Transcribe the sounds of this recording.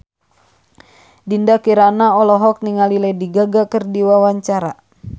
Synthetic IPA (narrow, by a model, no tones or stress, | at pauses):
dindakiɾanaɔlɔɦɔk̚niŋalilɛdiɡaɡakərdiwawaɲt͡ʃaɾa